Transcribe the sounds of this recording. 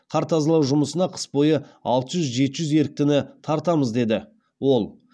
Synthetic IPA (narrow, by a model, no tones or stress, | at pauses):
qʰɑɾt̪ɑzəlˠɑwʒʊməsənɑqʰə̥spo̞jəɑlˠt̪əʒʏzʒe̞t̪ɪʒʏze̞ɾɪk̚t̪ɪnɪt̪ʰɑɾt̪ɑməzd̪e̞d̪ɪ | wo̞lˠ